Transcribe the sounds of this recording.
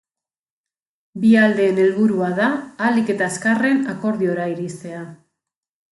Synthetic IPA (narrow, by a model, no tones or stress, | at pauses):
biald̪e̞ːne̞lβuɾuaðaːlike̞t̪aeskare̞nako̞ɾðio̞ɾaiɾist̪e̞a